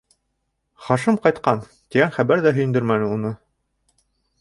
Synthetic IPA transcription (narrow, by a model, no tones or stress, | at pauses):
χɑʃɤmqɑjt̪qɑn | t̪iɡænχæβæɾðæɦɵ̆jɘ̆nd̪ɵɾmænɘunɤ